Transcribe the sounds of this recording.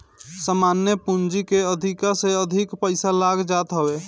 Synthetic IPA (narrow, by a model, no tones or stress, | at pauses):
səmanjepund͡ʒikeəd̪ʱikaseəd̪ʱikpəɪsalaɡd͡ʒat̪ɦəbe